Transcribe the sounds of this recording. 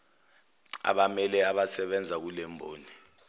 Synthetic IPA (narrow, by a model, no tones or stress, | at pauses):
a̰ɓamɛlɛaɓasɛɓɛnd͡zʱak̬ulɛmbʱo̰ːni